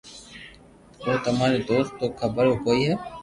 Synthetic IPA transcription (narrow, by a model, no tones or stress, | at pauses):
ʋoːt̪əmaːɾeːd̪oːst̪ːoːkʰəbəɾoːkoːiːɦɛː